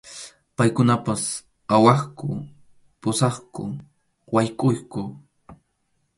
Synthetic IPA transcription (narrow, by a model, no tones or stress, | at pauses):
pajkʊnapas | awɑχkʊ | pʊsɑχkʊ | wajkʼʊjkʊ